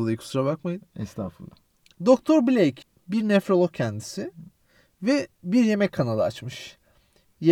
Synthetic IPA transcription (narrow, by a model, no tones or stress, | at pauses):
lˠajkʰu̥suɾabakmajɯnɛst̪afulˠa | d̪o̞kt̪ʰoɾbilʲejc | biɾnɛfɾolˠocʰænd̪isɪ | vɛbiɾje̞mɛckʰːanalˠat͡ʃmɯʃ | je